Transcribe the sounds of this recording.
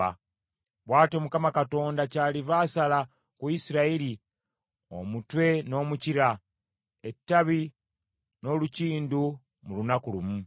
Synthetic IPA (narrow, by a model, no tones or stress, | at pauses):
a̰ | βwaːto̞mukamakato̞ːndacaːlivaːsala | kuisiɾaiɾi | o̰mutwe̞no̞ːmuciɾa | e̞tːaβi | no̞ːluciːndu | mulunakulumu